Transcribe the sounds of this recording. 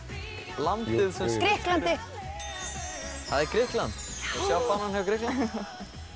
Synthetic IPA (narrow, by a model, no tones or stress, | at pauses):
lant̪ɪðsɛkɾɪhklant̪ɪ | haðɛɾkɾɪhklant̪sjawfananhɛvkɾɪhklan